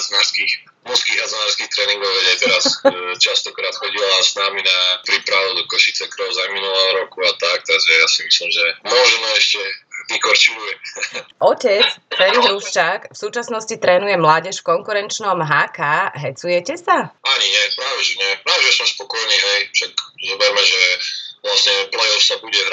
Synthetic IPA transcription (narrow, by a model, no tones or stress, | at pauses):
ɦaznaɾskix | mɔskiːɣɦazɔnaːɾskixt̪ɾɛːniŋɡɔʊʋɛɟɛt̪ɛɾast͡ʃast̪ɔkɾaːt̪xɔɟilasnaminapɾipɾaʋud̪ɔkɔʃit͡sɛkɾɔʊzajminulɛɦɔɾɔkuat̪ak̚t̪aɡʒɛjasimislimʒɛmʊɔʒɛnɔɛʃcɛɲikɔɾt͡ʃibujɛʔɔcɛt͡sfɛliɣuft͡ʃakfsuːt͡ʃasnɔscit̪ɾɛːnujɛmlaːɟɛʃfkɔŋkuɾɛnt͡ʃnɔmɦaːkaɦɛt͡sujɛcɛsaaɲiɲɪɛpɾaːʋɛʒɛɲɛpɾaːʋɛʒɛsɔmspɔkɔjniːɦɛjfʃakzɔbɛɾmɛʒɛʋlasɲɛplɛjɔfsabuɟɛɦɾ